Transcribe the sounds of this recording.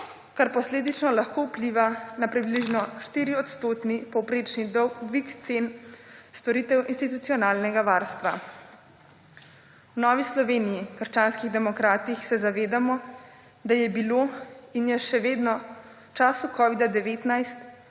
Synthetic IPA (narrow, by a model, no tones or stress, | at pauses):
kaɾpɔsleːd̪it͡ʃnɔlaxkowpliʋanapɾibliʒnɔʃt̪iɾiɔt̪st̪oːt̪nipɔwpɾeːt͡ʃnid̪ɔwɡʋikt̪senst̪ɔɾiːt̪ɛwʔinst̪it̪ut̪siɔnaːlnɛɡaʋaːɾst̪ʋa | wnɔːʋislɔʋeːnijikəɾʃt͡ʃaːnskiɣd̪ɛmɔkɾaːt̪ixsɛzaʋeːd̪amɔ | d̪ajɛbiloːinjɛʃɛʋeːd̪nɔ | t͡ʃaːsukɔʋid̪ad̪ɛʋeːt̪najst̪